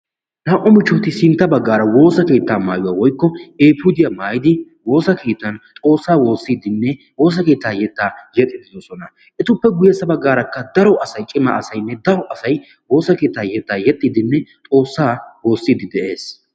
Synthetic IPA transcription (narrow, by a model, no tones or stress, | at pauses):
naːʔɔmɪt͡ʃːɔt̪ɪsɪnt̪ːɐbɐɡːaːɾɐwo̞ːsɐke̞ːt̪ːaːma̰ːjʊwaːwɔjkːɔeːpʊd̪ɪjamaːjɪd̪ɪ | wo̞ːsɐkʰeːt̪ːɐnt̪ʼo̞ːsːaːwo̞ːsːiːd̪ɪnːɛ | wo̞ːs̬ɐke̞ːt̪ːaːjɛt̪ːaːjɛt̪ʼːɪd̪ɪjoːsɔnɐ | ʔɛt̪ʊpːɛɡʊjɛsɐbɐɡːaːɾɐkːɐd̪ɐɾɔʔɐsɐjt͡ʃʼɪmɐ̰ʔɐsɐjnːɛd̪ɐɾɔʔɐsɐj | wo̞ːsɐke̞ːt̪ːaːjɛt̪ːaːjɛt̪ʼːiːd̪ɪnːɛt̪ʼo̞ːsːaːwo̞ːsːiːd̪ɪd̪ɛʔe̞ːs